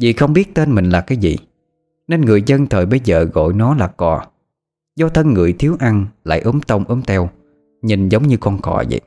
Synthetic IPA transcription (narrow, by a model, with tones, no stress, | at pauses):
zḭ˨˩xə˧wŋ͡mɓi˦˥ət̚t̪e˧nmï˨˩ŋ̟laː˨˩kaː˨˦jzḭ˨˩˨ | ne˧nŋɨ˨˩əjzə˧nt̪ʰəː˨˩jɓə˧jzə̰ː˨˩ɣo̰˧˨jnɔ˨˦laː˨˩kɔ˨˩ | zɔ˧t̪ʰə˧nŋɨ˨˩əjt̪ʰi˨˦əwʔa˧nla̰ː˧˨jʔɨ˨˦mt̪ə˧wŋ͡mʔɨ˨˦mt̪ʰɛ˧w | ɲi˨˩nzə˨˦wŋ͡mɲɨ˧kɔ˧nkɔ̰˧˩zə̰˧˨j